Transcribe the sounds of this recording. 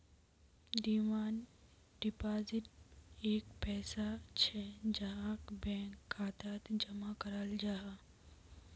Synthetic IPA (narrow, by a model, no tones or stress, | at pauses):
d̪iːmaːn | ɖipaːzɪʈeːkpɛːsat͡ʃʰɛd͡ʒɐɦakbɛ̃ːŋkːaːt̪aːt̪d͡ʒɐmakəɾald͡ʒaɦa